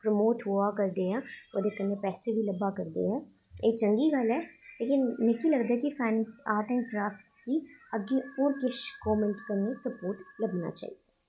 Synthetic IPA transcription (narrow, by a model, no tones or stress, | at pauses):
pɾəmoːʈɦuaːkəɾd̪eːaːod̪eːkənːepɛːsebʱiləbːaːkəɾd̪ḛːɛː | eːt͡ʃəŋɡiːɡəlɦɛːleːkɪnmɛ̃kiləɡd̪aɦɛkifʰɛːnaːɾʈ̪ə̃ɳkɾaːfʈ̪kiːəɡːeoːɾkɪʃkɔːmə̃ɳʈkənesəpoːɾʈləbna̰ːt͡ʃa̰ːɦid̪a